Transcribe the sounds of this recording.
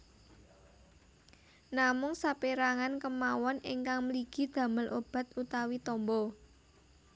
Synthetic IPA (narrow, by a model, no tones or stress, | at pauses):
namʊŋsapiɾaŋankəmawɔniŋkaŋmliɡ̥i̤d̪̥a̤məlʔob̥a̤t̪̚ut̪awit̪ɔmbɔ